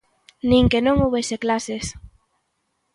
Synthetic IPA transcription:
nĩŋkenõŋoβeseklases

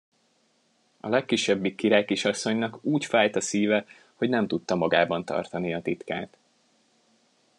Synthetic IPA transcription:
ɒ̰lɛkːiʃːɛbːikːiɾaːjkiʃɒsːo̞ɲnɒkuːcfaːjt̪ɒsiːvɛ | ho̞ɟnɛmt̪ut̪ːɒmɒɡaːbɒnt̪ɒ̰rt̪ɒniɒt̪it̪kaːt̪

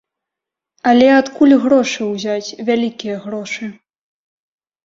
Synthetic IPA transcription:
ɐlʲɛat̪kulʲɣɾɔʂɨwzʲat͡sʲvʲalʲikʲijɐɣɾɔʂɨ

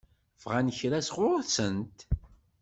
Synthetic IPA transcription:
vʁænçɾæsʁʊɾθsənt̪

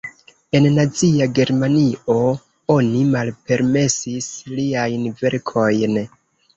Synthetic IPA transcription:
e̞nnat͡siaɡe̞ɾmanio̞ | o̞nimalpe̞ɾme̞sisliajnve̞ɾkʰo̞jn

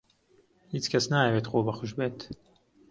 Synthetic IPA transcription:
hiːt͡ʃkʰɐsnaːjɛweːt̪xoːbɐxʊʃbeːt̪

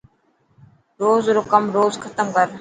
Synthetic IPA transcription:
ɾoːzɾʊkəmɾoːzxʰət̪əmkəɾ

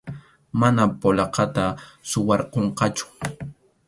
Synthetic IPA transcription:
manapolɑqɑt̪asʊwɑɾqoɴqɑt͡ʃʊ̥

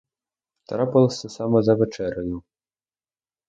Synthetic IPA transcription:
t̪ɐɾapɐlˠɐsʲɐsamɐzɐvʲɛt͡ʂɛɾɐju

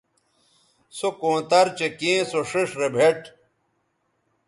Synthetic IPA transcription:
sokõːt̪ɐɾt͡ɕekẽːsoʂiʂɾebʱeʈ

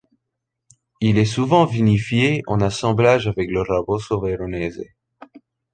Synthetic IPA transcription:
ilɛsuvɑ̃vinifjeɑ̃nasɑ̃blaʒavɛkləʁabosovɛɾonɛzḛ

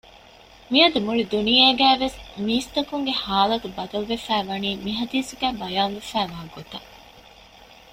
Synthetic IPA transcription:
miɐd̪emuɭid̪unijeːɡæːʋesmiːst̪ɐkuŋɡehaːlɐt̪ubɐd̪ɐluʋefæːʋɐniːmiɦɐd̪iːsuɡæːbɐjaːnʋefæːʋɐɦɐɡːot̪ɐ

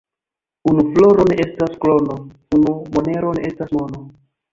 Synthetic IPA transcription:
unuflo̞ɾo̞ne̞ʔe̞stasklo̞no | unumone̞ɾo̞ne̞ʔestasmono

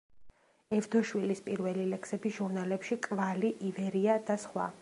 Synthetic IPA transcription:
ɛvd̪ɔʃwilispʼiɾvɛlilɛksɛbiʒ̥uɾnalɛpʃikʼvaliʔivɛɾiad̪asχwa̰

